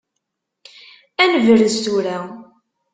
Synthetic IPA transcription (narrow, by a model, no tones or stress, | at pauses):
ænəvəɾəzt̪uɾæ